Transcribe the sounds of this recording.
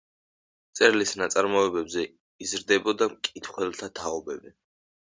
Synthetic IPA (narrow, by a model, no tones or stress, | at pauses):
t̪sʼɛɾlisnat̪sʼaɾmɔɛbɛbzɛ | izɾd̪ɛbɔd̪amkʼit̪ʰχwɛlˠt̪ʰat̪ʰaɔbɛbɛ